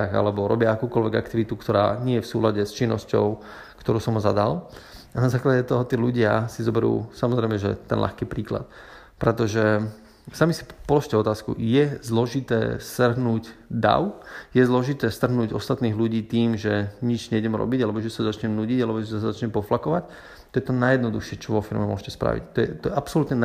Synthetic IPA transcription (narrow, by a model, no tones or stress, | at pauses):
aɣa̰lɛbɔɾɔbɪaakuːkɔlʋɛɡakt̪iʋit̪ukt̪ɔɾa̰ːɲɪɛjɛfsuːlaɟɛst͡ʃinːɔscɔ̰ʊ | kt̪ɔɾuːsɔmɦɔzad̪al | anazaːklaɟɛt̪ɔɦɔt̪iːluɟɪasizɔbɛɾṵːsamɔzɾɛɪmɛʒɛ̰t̪ɛ̰nlʔa̰xkiːpɾiːkla̰t̪̚ | pɾɛt̪ɔʒɛ | samisi̥pɔlɔʃcɛɔt̪aːskṵjɛzlɔʒit̪ɛ̰ːst̪r̩ɦnuːɟd̪a̰ʊjɛzlɔʒit̪ɛːst̪r̩ɦnuːɟɔst̪at̪niːɣluɟiːt̪iːmʒɛɲid͡ʒɲɛɟɛmɾɔ̰biɟalɛbɔʒɛsazat͡ʃɲɛmnuɟiɟalɛbɔʒɛsaszat͡ʃɲɛmpɔflakɔʋac | t̪ɔjɛt̪ɔnajɛd̪nɔd̪uxʃɪɛt͡ʃɔʋɔfiɾmɛmʊɔ̰ʃcɛspɾa̰ʋḭct̪ɔjɛ̰t̪ɔjɛʔapsɔlut̪ɲɛ